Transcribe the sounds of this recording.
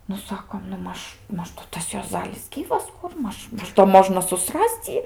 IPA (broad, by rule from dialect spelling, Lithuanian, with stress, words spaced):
nʊ ˈsɑːkoːm nʊ ˈmɐʃ ˈmɐʃ nʊ ˈtɐs juɔˈzɑːlʲɪs ˈɡʲiːʋɐs ˈkʊr ˈmɐʃ ˈmɐʃ doː ˈmoːʒnɐ sʊˈsrɐsʲt͡sʲ ˈjiː